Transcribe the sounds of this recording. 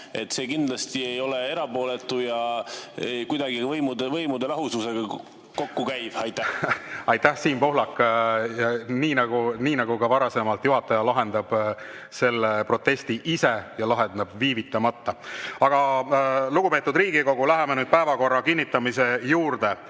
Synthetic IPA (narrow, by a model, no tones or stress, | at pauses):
e̞t̪ːˑse̞ːkind̪̥lɑst̪iejo̞lee̞ɾɑpo̞ːlet̪ːˑujɑejkujd̪̥ɑɡ̥ivɤjmud̪vɤjmud̪elɑɦususe̞ɡ̥ɑ | ko̞kːukæjv̥ɑjt̪ːˑæɑjt̪ːæhsiːnpo̞ɦlɑkːˑjɑniːnɑɡuniːnɑɡukɑvɑɾɑsemɑlt̪juɦɑt̪ːˑɑjɑlɑɦe̞nd̪̥ɑb̥ | se̞lːepro̞t̪ːˑe̞st̪iʔise̞jɑlɑɦend̪ɑbviːvit̪ːˑɑmɑt̪ːɑɑɡ̥ɑluɡ̥upe̞ːt̪ːˑud̪riːɡiko̞ɡ̥ulæɦemenyːd̪̥̚pæevɑko̞rːɑkinʲːit̪ːˑɑmise̞juːɾd̪e̞